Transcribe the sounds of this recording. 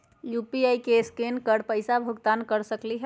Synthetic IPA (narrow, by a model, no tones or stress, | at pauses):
jupiaikeskenkəɽpəjsabʱuɡt̪ankəɾsəkliɦɛ